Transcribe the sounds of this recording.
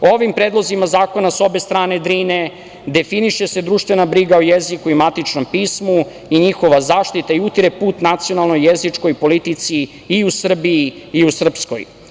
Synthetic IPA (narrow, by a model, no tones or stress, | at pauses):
ooʋimpɾed̪lˠo̞zimazaːko̞naso̞best̪ɾaːned̪ɾiːne | d̪e̞finiʃe̞se̞d̪ɾuːʃt̪ʋe̞nabɾiɡaojezikuimat̪it͡ʂno̞mpiːsmu | iɲixo̞ʋazaːʃt̪it̪aiut̪iɾepuːt̪nat̪sio̞nalˠno̞jːezit͡ʂko̞jpo̞lit̪it̪siː | usr̩biiːusr̩psko̞̰j